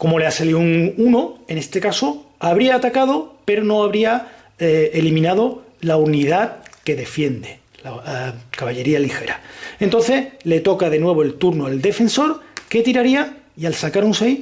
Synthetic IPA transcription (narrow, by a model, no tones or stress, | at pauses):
ko̞mo̞leasaliuŋunoe̞ne̞st̪e̞kaso̞aβ̞ɾiaːt̪akað̞o̞pe̞ɾono̞aβɾia | elimĩnað̞o̞ | launiðaðke̞ðe̞fje̞nd̪e | lakaβaʎe̞ɾialixe̞ɾae̞nt̪o̞nθe̞sle̞t̪o̞kaðe̞nwe̞β̞oe̞lt̪uɾnoeld̪e̞fe̞nso̞ɾke̞t̪iɾaɾia | ialsakaɾunsej